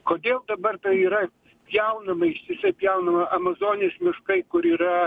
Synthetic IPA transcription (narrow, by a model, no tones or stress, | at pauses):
koːd̪ʲeːlˠd̪ɐbɐrt̪ɐɪiːɾɐ | pʲjɛʊnɐmɐɪʃʲt̪ʲɪsʲɐɪpʲjɛʊnɐmɐʔɐmɐzoːnʲɪesmʲɪʃkɐɪkʊɾiːɾɐ